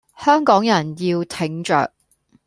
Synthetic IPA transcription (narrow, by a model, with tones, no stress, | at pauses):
hœː˥ŋkɔː˨˥ŋjɐ˨˩njiː˧wt̪ʰɪ˨˥ŋt͡ʃœ̰ː˨k̚